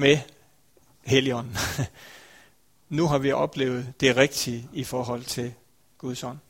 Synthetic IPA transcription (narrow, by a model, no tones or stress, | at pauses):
me | heliɒ̽n̰n̩ | nuɦɑ̈ʋiʔɒ̽b̥le̝̰ːʊð̞̩ˠd̥e̝ʁeɡ̥̚d̥iifɒːɦɒ̽l̰t͡sʰe̝l | ɡ̥uðˠsɒn